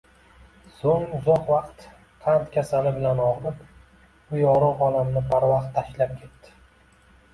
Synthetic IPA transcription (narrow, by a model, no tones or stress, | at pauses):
soŋʊzɒqvɑqt̪ | qʰant̪kʲʰasalɪbɪlanɒʁɾɪp | ʊjɒɾɨʁɒlamnɪbaɾvaqt̪ʰːaʃlap̚kʲʰe̞t̪ːɪ̥